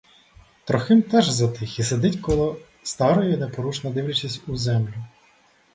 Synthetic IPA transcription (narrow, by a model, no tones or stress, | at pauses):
t̪ɾɔxɪmt̪ɛʒzɐt̪ɪxised̪ɪtʲkɔlˠɔ | st̪ɑɾɔjʊnepɔɾuʃnɐd̪ɪwlʲɐt͡ʃisʲtʲuzɛmlʲʊ